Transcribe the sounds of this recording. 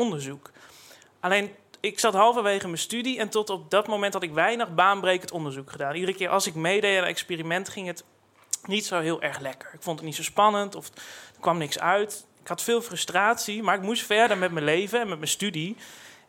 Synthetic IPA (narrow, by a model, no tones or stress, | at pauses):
ɔndəɹzuk | ʔalejn | ɪksɑtɦɑlˠfɑnʋejχəməstydiɛntɔtɔp̚dɑtmowmɛntɦɑtɪkʋɛjnəχbaːnbrejkəntɔndəɹzukχədaːnidərəkɪːɹʔɑ̰lˠsɪkmejdejaɛ̰kspiːrimɛntχɪŋət | nitsowɦɪːlˠʔɛɹχlɛkəɹɪkfɔntətnitsowspɑnəntɔfd̥əɹkʋɑmnɪksœɥt | ɪ̥kɦɑtfɪːlˠfrɵstraːtsimaːɹɪk̚mustfɛɹdəɹmɛtmənlejvənɛnmɛtməstydi